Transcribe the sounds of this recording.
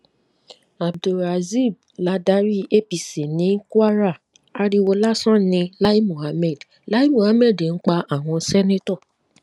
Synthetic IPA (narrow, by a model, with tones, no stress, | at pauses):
a˨b̚du˨ɾa˨zi˦˨b̚ | la˨˦da˦ɾi˦e˦pi˨si˨nĩ˨˦ka˦ɾa˦˨ | a˦ɾi˦wo˧la˦sɔ̃˦nɪ̃˧la˦i˦mo˨ɦa˦mɛ˦˨d | la˦i˦mo˨ha˦me˦˨dn̩˦k͡pa˧ʔa˨w̃ɔ̃˧˦sɛ˦ne˦tɔ˦˨